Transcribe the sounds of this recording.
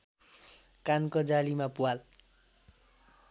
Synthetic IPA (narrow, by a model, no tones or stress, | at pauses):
kankod͡zalimapuwal